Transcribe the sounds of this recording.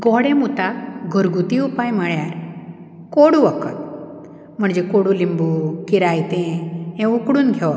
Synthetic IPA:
ɡɔɽẽmut̪aɡʱɔɾɡut̪iupajməɭjaɾ | koɽuʋəkət̪̚ | m̤əɳd͡ʑekoɽulimbukiɾajt̪ɛ̃ɛ̃ukɽuːnɡʱeʋ

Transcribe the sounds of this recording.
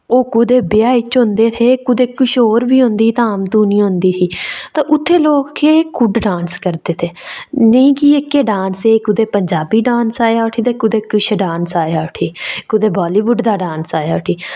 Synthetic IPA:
oːkʊd̪eːbɪjaːiːt͡ʃõnd̪eːt̪ʰeːkʊd̪eːkʊʃoːɾbiːɦõnd̪iːt̪ãːmt̪ũːnĩːɦʊ̃nd̪iːt̪ʰiːt̪ãːʔʊt̪ʰːeːloːkkeːkʊɖɖaːnskəɾd̪eːt̪ʰeːnəĩːkiekːeːɖãːnseːkʊd̪eːpəɲd͡ʒaːbiːɖaːnsaːjaːʊʈʰiːt̪eːkʊd̪eːkʊʃɖaːnsaːjaːʊʈʰiːkʊd̪eːbaːliːbʊɖd̪aːɖaːnsaːjaːʊʈʰiː

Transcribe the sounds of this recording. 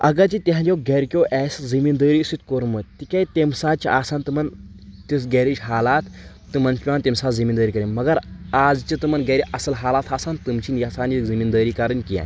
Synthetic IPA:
ɐ̰ɡɐt͡ʃit̪ʲiɦãd͡ʒʲowɡeɾʲkʲoːʔɛːszimind̪əːɾisit̪koːɾmət̪ikajt̪ʲemsaːt͡ʃiʔaːsaːnt̪ɨmɐnt̪is̬ɡeːɾit͡ʃʲɦaːlaːt̪ʰː | ɨmɐnt͡ʃpʲaːnt̪emsaːt̪zimind̪əːɾikɐɾimɐɡɐɾaːd͡zt͡ʃit̪ɨmɐnɡeɾiʔɐsɐlɦaːlaːt̪ʰaːsaːnt̪ɨmt͡ʃʰinjasaːnikzimind̪əːɾikaːɾənkija̰ː

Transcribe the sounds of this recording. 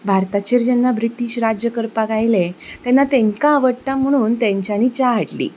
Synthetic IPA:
bʱaɾt̪at͡ɕiːɾd͡ʑɛnːabɾiʈiɕɾad͡ʑjəkəɾpaɡajlet̪ɛnːat̪ẽŋkaːʋəɽt̪am̤əɽ̃uːnt̪ɛ̃ɲt͡ɕjanit͡ɕaɦaʈlḭː

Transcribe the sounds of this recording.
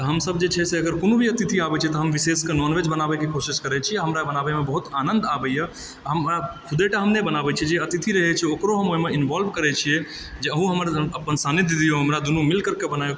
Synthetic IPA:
t̪əɦəmsəb̚d͡ʒet͡ʃʰɛseəɡəɾkonobʱiət̪it̪ʰiabɛt͡ʃʰɛt̪ɔɦəmʋiseskenɔnʋed͡ʒbənabɛkekʰosiskəɾɛt͡ʃʰiaɦəmɾabənabemebəɦut̪anənd̪abɛjjə | ɦəmakʰud̪eʈəɦəmnebənabɛt͡ʃʰɛd͡ʒeət̪it̪ʰiɾəɦɛt͡ʃʰɛokɾoɦəmomeinʋɔlbkəɾɛt͡ʃʰije | d͡ʒeəɦũɦəməɾəpːənsanid̪id̪ijoɦəmɾad̪unumilkəɾkebənajo

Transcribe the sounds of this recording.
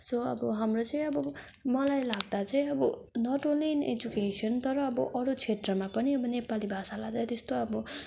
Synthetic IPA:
soʌ̰bʌɦamrot͡sʌĩʌbʌmʌlajlaɡ̚d̪at͡sʌĩʌbʌ | nʌʈolinḛd͡zukesʌnt̪ʌɾʌːbʌʔʌɾut͡sʰet̪rʌmapʌniʌbʌnepalibʱasalad̪ajt̪est̪oʌbʌ

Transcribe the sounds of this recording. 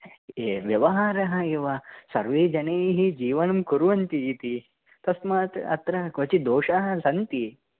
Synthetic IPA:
eːʋjɐʋɐɦaːɾɐɦɐ̆eʋɐsɐ̰ɾʋeːd͡ʒɐneːɦid͡ʒiːʋɐnɐmkuɾuʋɐnt̪iːt̪i | t̪ɐsmaːt̪ɐ̰t̪ɾɐɦɐkɐt͡ʃid̪oːʃaɦɐ̆sɐnt̪i

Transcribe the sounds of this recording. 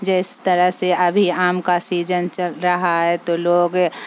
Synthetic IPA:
d͡ʒɪst̪əɾəɦseɐbʱiaːmkasiːd͡ʒənt͡ʃəlɾɐɦaɦɛt̪oloːɡ

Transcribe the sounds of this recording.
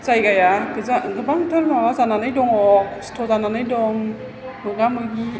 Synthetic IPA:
zajɡajaɡɯzaʔɯŋɡɯbaŋtʰəlmawazananɯjdɔŋɔkstʰɔzananɯjdɔŋ | mɯɡamɯɡi

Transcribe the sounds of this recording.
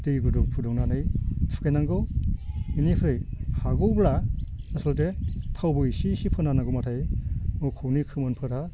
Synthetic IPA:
tɯjɡɯduŋpʰudɔŋnanɯjtʰu̥kʰajnaŋɡɯ | inipʰɾɯjhaɡɯwbɾanasɔldetʰawbɯisisipʰɯnanaɡɯmatʰajmɯkʰɔwnikʰɯmɯnpʰɯɾa

